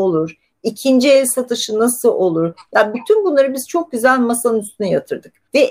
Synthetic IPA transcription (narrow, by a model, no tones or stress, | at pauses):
olˠuɾ̥ | icʰind͡ʒielʲsat̪ʰɯʃɯnasɯlˠʔo̞lˠuɾ̥jabyt̪ʰynbunlˠaɾɯbiz̥t͡ʃʰo̞k̚ɟyzælʲmasanɯnyst̪ʰynɛjat̪ʰɯɾd̪ɯk̚vɛ